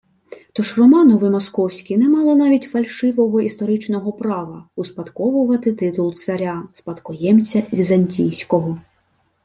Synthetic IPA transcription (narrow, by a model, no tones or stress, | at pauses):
t̪ɔʃrɔmɑnɔʋɪmɔskɔwsʲkʲinɛmɑlˠɪnɑʋʲitʲfɐlʲʃɪʋɔɦɔist̪ɔɾɪt͡ʃnɔɦɔpɾɑʋɐuspɐt̪kɔʋʊʋɐt̪ɪt̪ɪt̪ʊlˠt̪sɐɾʲaspɐt̪kɔjɛmt͡sʲɐʋʲizɐnʲtʲijsʲkɔɦɔ